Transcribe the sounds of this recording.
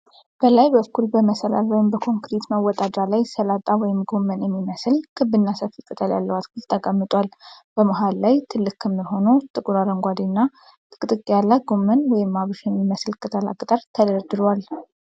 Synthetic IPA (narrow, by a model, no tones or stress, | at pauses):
b̥əlajbəkːulbəməsəla̰lwɔjɪmbəkʰo̞ŋkɾit̪məwɔt̪ʼad̪alajsəlat̪ʼawɔjɪmɡo̞mːənjɛmːiməslkʰɨbːɨnːasəfɨkʼɨt̪ʰəlja̰lːəwat̪kʰult̪ʰːəkʼamːɨt̪ʼwalb̥əməɦalːajt̪ʰɨlːɨkːəmːiɦo̞nowt̪ʼɨkʼɾad̪əŋɡʷad̪inːa | t̪ʼɨkʼt̪ʼɨkʼːjalːaɡo̞mːənwɔjɪmːaβɨʃjɛmːiməslkʰʼɨt̪ʰəla̰kʼɨt̪ʼəɾt̪ʰəd̪əɾd̪ɨɾwal